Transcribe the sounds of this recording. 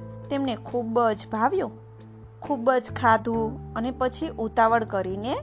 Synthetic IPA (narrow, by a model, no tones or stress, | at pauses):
t̪emnekʰubəd͡ʒbʱaʋjũ | kʰubəd͡ʒkʰad̪ʱũənepət͡ʃʰiʔut̪aʋəɽkəɾine